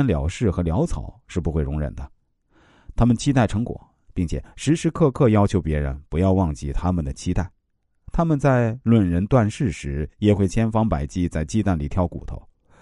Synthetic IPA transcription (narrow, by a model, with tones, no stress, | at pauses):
nljɑ˨˩˥ʊʂɻ̩˥˩xɤ˧˥ljɑ˧˥ʊt͡sʰɑ̰˨˩˦ʊʂɻ̩˥˩pu˧˥xwe˥˩ɪɻʊ˧˥ŋɻə̰˨˩nd̪ə˦ | t̪ʰa˥mə˨nt͡ɕʰi˥t̪̬a˥˩ɪʈ͡ʂʰɤ˧˥ŋkwɔ̰˨˩˦ | pi˥˩ŋt͡ɕʰjɛ̰˨˩ʂɻ̩˧˥ʂɻ̩˧˥kʰɤ˥˧kʰɤ˥˩jɑ˥ʊt͡ɕʰjo˧˥ʊpjɛ˧˥ɻə̰˧˥npu˧˥jɑ˥˧ʊwɑ˥˧ŋt͡ɕi˥˩t̪ʰa˥mə˨nd̪ə˩t͡ɕʰi˥t̪a˥˩ɪ | t̪ʰa˥mə˨nt͡sa˥˧ɪlwə˨˩nɻə˧˥nt̪wa˥˧nʂɻ̩˥˩ʂɻ̩˧˥jɛ˨˩xwe˥˩ɪt͡ɕʰjɛ˥nfɑ˥ŋpa˨˩ɪt͡ɕi˥˧t͡sa˥˧ɪt͡ɕi˥˧t̪a˥˩nli˨˩t̪ʰjɑ˥˩ʊkṵ˨˩t̪ʰo̰˧˥˦ʊ